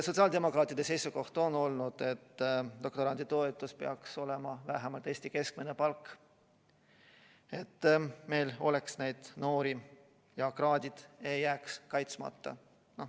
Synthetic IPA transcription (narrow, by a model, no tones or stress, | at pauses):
sot̪siɑːld̪̥e̞mo̞kˑɾɑːt̪ːˑid̪e̞sejsuko̞ht̪o̞no̞lnud̪̥e̞t̪ːd̪̥o̞kt̪o̞ɾɑnd̪̥it̪o̞et̪ːˑuspe̞ɑkso̞le̞mɑvæɦemɑlt̪eːsʲt̪ike̞skmenepɑlkː | e̞t̪ːme̞jlo̞̰le̞ksne̞jd̪̥no̞ːɾi | jɑkrɑːd̪̥ʲid̪̥e̞jːæːkskɑjt̪smɑ̰t̪ːɑ̰ | no̞